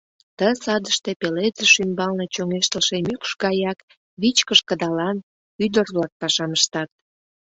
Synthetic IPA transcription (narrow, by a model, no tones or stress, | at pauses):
t̪əsɑd̪əʃt̪epelezəʃymbɑlnet͡ɕoŋeʃt̪əlʃemykʃɡɑjɑk | βit͡ɕkəʃkəd̪ɑlɑn | yd̪ərβlɑk̚pɑʃɑməʃt̪ɑt̪̚